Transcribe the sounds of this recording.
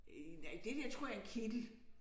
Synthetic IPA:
æd̥ed̥eɐ̰t͡sʰʁo̝ɐ̰jɑ̈enkʰid̥l̩

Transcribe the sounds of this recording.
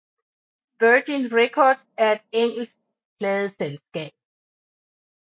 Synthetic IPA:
ʋɜd̥inʁekʰɒːd̥sæɐe̝d̥eŋ̰l̩sɡ̥̚ | pʰlɛːð̞ˠəselsɡ̥ɛ̰ːb̥̚

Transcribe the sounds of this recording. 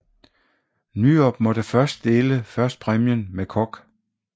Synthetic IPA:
nyɒb̥mɒ̽ɾ̥əfɶɐsd̥d̥e̝ːləfɶɐsd̥̚pʰʁɛmjənmekʰɒɡ̥

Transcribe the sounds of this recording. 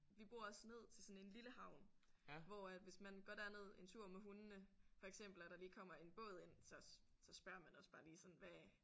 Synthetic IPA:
ʋib̥o̝ɐ̰ɒsne̝ð̞̰ˠt͡sʰe̝lsɒ̽ne̝nliləhɑ̈ʊnʋɒæd̥ʋe̝smænɡ̥ɒd̥æɐne̝ð̞̰ˠe̝nt͡sʰuɐ̰meɦunənəfɒ̽eɡ̥sem̰b̥l̩æd̥ɑ̈liːkʰɒ̽m̰ɐe̝nb̥ɔ̽ːð̞̩ˠe̝n̰sɒ̽ | sɒ̽sb̥ɶɐ̰mænɒ̽sb̥ɑ̈ːliːsɒ̽n̩ʋæ

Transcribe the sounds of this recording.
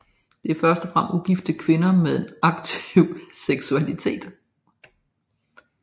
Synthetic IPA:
d̥e̝æɐfɶɐsd̥ɒfʁam̰uɡ̥ifd̥əkʰʋe̝nɐmeðˠe̝nɑ̈ɡ̥t͡sʰiʊ̰seɡ̥suælit͡sʰe̝̰ːd̥

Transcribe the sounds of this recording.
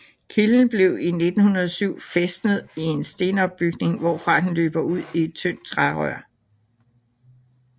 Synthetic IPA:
kʰiln̩b̥le̝ʊ̰ine̝d̥n̩hunɐðˠɒsyʊ̰fesd̥nð̩ˠie̝nsd̥e̝ːnɒ̽b̥b̥yɡ̥ne̝ŋʋɒ̰fʁɑ̈ːd̥enlø̰ːb̥ɐuð̰ˠie̝d̥̚t͡sʰøn̰d̥̚t͡sʰʁɑʁœɐ̰

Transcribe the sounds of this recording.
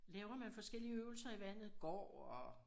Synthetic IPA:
lɛːʊɐmænfɒ̽sɡ̥el̰iəøːʊl̩sɐiʋæn̰ð̞̩ˠɡ̥ɒ̰ːɒ

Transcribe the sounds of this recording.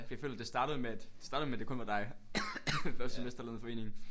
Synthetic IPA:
fjɑfø̰ːlɐd̥e̝sd̥ɑ̈ːɾ̥əð̩ˠmeæd̥d̥e̥sɑ̈ːɾðˠmeæd̥e̝kʰɔ̽nʋɑ̈d̥ɑ̈ɪ | fɶɐsd̥semesd̥ɐlæn̩ˠfɒ̽e̝̰ːne̝ŋn̩

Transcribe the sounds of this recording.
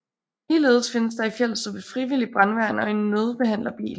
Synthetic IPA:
liːle̝̰ːð̞ˠsfe̝nəs̬d̥ɑ̈ifjel̰sd̥ɒ̽b̥əfʁiʋilib̥ʁanʋæɐ̰nɒ̽e̝nːøð̞ˠb̥e̝hæn̰lɐb̥ḭːl

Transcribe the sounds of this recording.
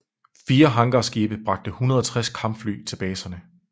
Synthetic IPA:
fiːɐɦɑ̈ŋɡ̥ɐsɡ̥iːb̥ðˠb̥ʁɑ̈ɡ̥̚d̥əhunɐð̞ˠɒt͡sʰʁaskʰɑ̈mb̥fly̰ːt͡sʰe̝b̥ɛːsɐnə

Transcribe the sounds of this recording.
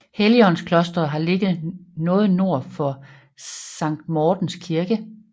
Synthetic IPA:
heliɒ̽nskʰlɔ̽sd̥ɐɦɑ̈le̝ɡ̥ð̩ˠnɔ̽ːð̩ˠno̝ɐ̰fɒ̽ | sɑ̈ŋ̰d̥mɒːd̥n̩skʰiɐɡ̥ə

